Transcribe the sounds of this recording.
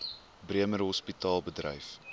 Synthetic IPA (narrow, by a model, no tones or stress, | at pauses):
briəməɾɦɔspitɑːlˠbədrə̰jf